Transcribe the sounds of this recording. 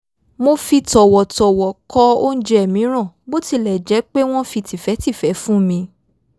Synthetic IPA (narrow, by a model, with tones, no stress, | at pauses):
mo˧fi˧tɔ˨wɔ˨tɔ˨wɔ˨kɔ˦o˦n̩˦d͡ʒɛ˦ɛ˨mĩ˨˦ɾ̃ã˦˨bo˦ti˧lɛ˨d͡ʒɛ˨˦k͡pe˦w̃ɔ̃˦fi˧ti˨fɛ˨˦ti˦˨fɛ˨˦fũ˦mĩ˧